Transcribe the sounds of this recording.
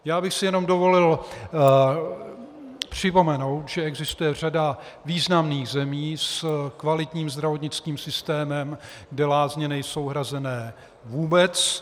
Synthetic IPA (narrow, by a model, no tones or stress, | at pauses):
jaːbɪxsɪjɛno̞mdo̞vo̞lɪl | pr̝̥ɪpo̞mɛno̞wt̪ʒɛɛɡzɪst̪ujɛr̝ada | viːznamniːɣzɛmiːskvalɪt̪ɲiːmzd̪ɾavot̪ɲɪt͡skiːmsɪst̪ɛːmɛm | ɡdɛlaːzɲɛnɛjso̞wɦɾazɛnɛː | vuːbɛt͡s